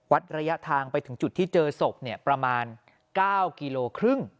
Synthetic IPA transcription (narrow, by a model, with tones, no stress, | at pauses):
wa˦˥t̪̚ɾa˧ja˦˥ʔt̪ʰaː˧ŋpa˧jt̪ʰɯ˩˦ŋt͡ɕu˨˩t̪ʰːiː˥˩t͡ɕɤː˧so˨˩p̚ni˥˩əpɾa˧maː˧n | kaː˥˩wkiː˧loː˧kʰɾɯ˥˩ŋ